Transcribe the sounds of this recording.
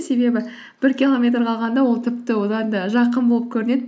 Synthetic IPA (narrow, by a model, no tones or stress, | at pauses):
se̞be̞bɪ | b̥ɪɾkʲilˠo̞mʲe̞t̪̬rqʰɑlˠʁɑnd̪ɑwo̞lˠt̪ʰɪpt̪ɪwo̞d̪ɑnd̪əʒɑqənbo̞lˠəp̚kʲʰɵɾɪne̞d̪ɪ